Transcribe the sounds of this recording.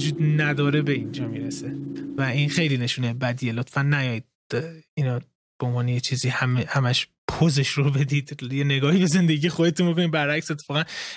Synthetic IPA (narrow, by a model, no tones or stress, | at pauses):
ud͡ʒuːd̪næd̪ɒːɾe̞be̞ind͡ʒɒːmiːɾesevæinxe̞jliːne̞ʃuːnebæd̪iːjelot̪fænːæjɒd̪̥̚ | inɒ | b̥eonvɒːnejet͡ʃʰiːziːhæmehæmæʃ | pʰozeʃrobe̞d̪iːd̪jene̞ɡɒːhiːbe̞ze̞nd̪e̞ɟiːjexod̪e̞t̪unbo̞k̬o̞nibæɾæcse̞t̪ʰːefɒːɣæn